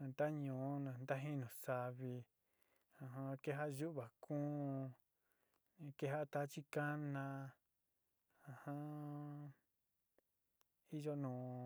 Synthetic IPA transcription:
nd̪a˦ɲũː˨˦nã˨nd̪a˦ɦĩ˦nũ˨sa˧βi˧ | ã˧ɦã˧ke˦ɦa˦ʔʒu˦ʔβa˨kũː˦˧ | ke˦ɦa˦ʔt̪a˦t͡ʃi˦ka˦nã˧ | ã˧˨hã˦ | i˦ʒo˦nũː˨

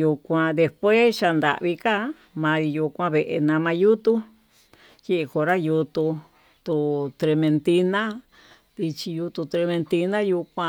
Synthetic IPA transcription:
ju˧kʷã˧ðe˧spwe˦ʃa˧nd̪a̰˨ʔβi˧ka˦ | mã˧i˧ju˧kʷã˧βe˧ʔḛ˧nã˧mã˧ju˦t̪u˦ | je˦ʔe˧ko˧ɾa˦ju˧t̪u˧ | t̪u˧t̪ɾe˧mẽ˧nt̪i˧nã˦ | ði˧t͡ʃi˧ju˧t̪u˧t̪ɾe˧mẽ˧nt̪i˧nã˦ju˧kʷã˧

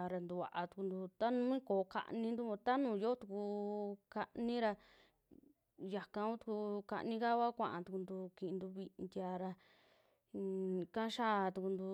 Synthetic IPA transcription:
a˧ɾa˧nd̪u˧βa̰˨ʔa˧t̪u̥˧ku˧nd̪u˧t̪a˦nũ˦ĩ˦koː˨ka̰˧ʔnĩ˧nd̪u˦õ˧t̪a˦nũː˨˧jo˦t̪u˧ku˧ka˧ʔnĩ˦ɾa˧ | ja˨kã˧u˦t̪u̥˧ku˧ka̰˧ʔnĩ˦ka˦βa˦kʷã̰˧ʔã̰˧t̪u˧ku˧nd̪u˧kĩ˧nd̪u˧βi˧nd̪ʲa˧ɾa˧ | kã˦ʃa˦˧t̪u˧ku˧nd̪u˧

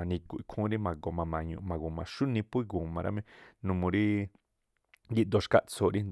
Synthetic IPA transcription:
a˨nĩ˧ku˨ʔi˧kʰũ˦ɾi˦mã˨ɡo˨mã˨mã˨ɲṵ̃˧˨mã˨ɡu˨mã˨ʃu˦nĩ˧pu˦i˦˧ɡu˨mã˨˧ɾa̰˦mẽ˦nũ˧mũ˧ɾi˦ | ɡi˦d̪o˧ʃka˦ʔt͡sʰo˨ɾi˦n

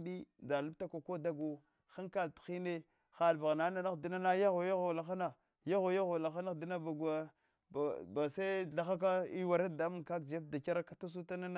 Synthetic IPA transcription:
ɗi˦da˨lu˦b̚ta˦ka˨ko˦da˦ɡo˨ | xa˦ŋka˦ltxi˦ne˦ | xa˨lva˨ɣna˦na˦na˦xdi˦na˦na˦ja˦ɣo˨ja˦ɣo˨la˨xa˦na˨ | ja˦ɣo˨ja˦ɣo˨la˨xa˦na˦xdi˦na˦ba˨ɡa˦˨ | a˨ba˨sa˦ɮa˨xa˦k̬a˦i˦wa˨ɾa˦da˨˦mu˦ŋka˦kd͡ʒe˦p̚da˨ka˦ɾa˦ka˨ta˦s̬u˦ta˦na˦na˦

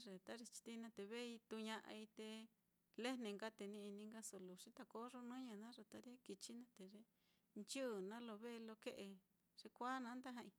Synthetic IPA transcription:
ʐe˨t̪a˦ɾi˧t͡ʃi̥˧t̪i˦nã˧t̪e˧βe˦˧i˧t̪u˧ɲã˧ʔa̰˧i˧t̪e˧ | le˦nẽ˧ŋɡa˦t̪e˧nĩ˧i˧nĩ˧ŋɡa˦so˧lu˨ʂi˦t̪a˧ko˦ʐo˧nũ˦ɲã˧nã˦ʐe˧t̪a˧ɾje˦ki˧t͡ʃi˦nã˦t̪e˨ʐe˧ | nt͡ʃu˦˨nã˦lo˧βe˦˧lo˧ke˦ʔe˧ | ʐ̥e˧kʷa˦nã˧˦nd̪a˦ɦã˧ĩ˧

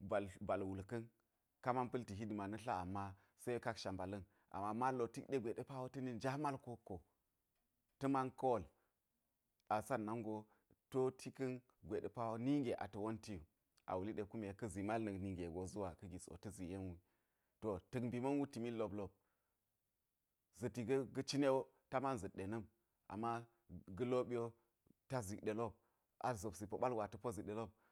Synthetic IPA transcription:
ba˨lba˨lwu˨lkɐ˦n | ka˦ma˦npɐ˦lti˨ɦi˦di˨ma˨nɐ˦ɬa̰˦a˨mːa˦ | sə˦ka˦kʃa˨mba˨lɐ˦n | ʔa̰˨mːa˦ma˦lo˨ti˦kɗe˦ɡʷe˨ɗe˦pa˦wo˦tɐ˦ni˦nd͡ʒa˦ma˦lko˦kːo˨ | tɐ˦ma˦nko˦wo˨l | a˨sa˦nna˦ŋɡo˦ | to˦tʰi˦kɐ˦n | ɡʷe˨ɗe˨pa˦wo˦ni˦ŋɡe˨ʔa̰˨tɐ˨wo˦nti˦ju˨ | ʔa̰˨wu˨li˦ɗe˨ku˦me˨˦kɐ˦zi˨ma˦lnə˨ni˦ŋɡe˨ɡo˨zu˦wa˨kɐ˦ɡʲi˨so̰˨tə˦zi˨je˦nwi˦ | to˨tə˨kbi˨mɐ˦nwu˦ti˨mi˦lːo˨blo˦˨b̚ | zɐ˨ti˨ɡɐ˦ɡə˦t͡ʃi˦ne˦wo˦ | ta˦ma˦nzə˨ɗe˨nə˦m | ʔa̰˨mːa˦ | ɡə˦lo˦ɓi˦jo˦ | ta˦zi˨kɗe˨lo˦b̚ | a̰˨zo˨bsi˨po˨ɓa˦lwʷa˨tə˨po˦zi˨ɗe˨lo˦b̚

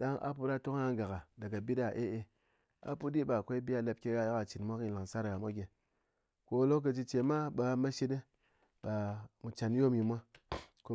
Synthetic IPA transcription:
da˦ŋa̰˦p̬u˧ɾa˦to˦ŋ˦a˦ŋɡa˨ka˨da˨ɡa˨bi˦da˨ʔe˦ʔe˧ | a̰˨pu˦di˦ɓa˨kʷe˦i˦bi˦a˧la˧p̚kʲe˧ja˧ja˦ka˨t͡ʃi˨nmʷa˦ki˧la˨ŋsa˦ɾɡa˨mʷa˦ɡʲe˨ | ko˧˦lo˦kkə˧t͡ʃi˧t͡ʃe˨ma˦ɓa˧ma˦ʃi˦de˦ | ɓa˨mu˨t͡ʃa˨n˦jo˦mji˧mʷa˦ko˧˦

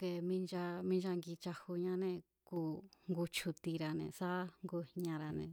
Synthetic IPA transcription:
ke˧mĩ˦nd͡ʒa˧mĩ˦nd͡ʒa˧ŋɡi˧t͡ʃa˧hu˧ɲã˧˦nẽ˧˨ | kuː˧ŋɡu˧t͡ʃʰu˧t̪i˧ɾa˧nḛ̃˨sa˦ŋɡu˧hɲã˧ɾa˧nḛ̃˨

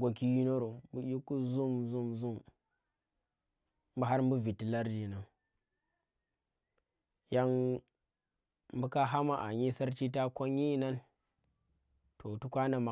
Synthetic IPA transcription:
ɡʷo˨ki˦ji˦no˦ɾo˨mbu˦ji˦ku˦zu˦mzu˦mzu˦m | m˦bu˦ɦa˦ɾm˦bu˦vi˨ti˨la˦ɾd͡ʒi˨na˨n | ja˦ŋ | m˦bu˦ka˦ɦa˦ma˨ʔa̰˨ɲi˦sa˦ɾt͡ʃi˦ta˦ko˦ɲ˦i˦˨na˦n | tʰo˨tu˦kʷa˦na˨ma˨

